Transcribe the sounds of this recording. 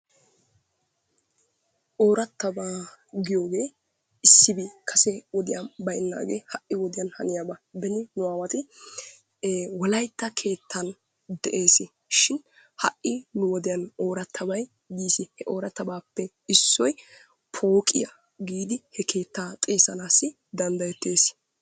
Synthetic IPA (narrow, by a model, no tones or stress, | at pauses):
ʔo̞ːɾɐt̪ːɐbaː | ɡɪjo̞ːɡe̞ː | ɪsːɪbikʰɐsɛwɔd̪ɪjɐbɐjnːa̰ːɡḛːhɐʔːɪwɔd̪ɪjɐnhɐ̰nɪjaːbɐbɛnɪnʊwaːwɐt̪ɪ | wɔlɐjt̪ːɐkʰe̞ːt̪ʰːɐn | d̪ɛʔe̞ːsɪ | ʃɪn | hɐʔːɪnʊwɔd̪ɪjɐnoːɾɐt̪ʰːɐbɐj | ɡiːsɪhɛʔo̞ːɾɐt̪ːɐbaːpːɛ | ɪsːɔj | pʰoːkʼɪ̰jɐ | ɡiːd̪ɪhɛkʰe̞ːt̪ːaːt̪ʼeːsɐnaːsːɪ | d̪ɐnd̪ɐjɛt̪ːe̞ːs